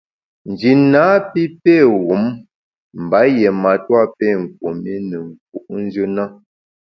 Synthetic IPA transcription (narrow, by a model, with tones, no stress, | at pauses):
n˨d͡ʒi˨na˨˦pi˦pɛ˦˨ɣu˨˦m | m̩˨ba˨˦jɛ˨ma˨twa˦pɛ˦˨ŋ̩˨k̚wo˨mi˦nə˨ŋ˨k̚u˨ʔn˦d͡ʒə˦na˦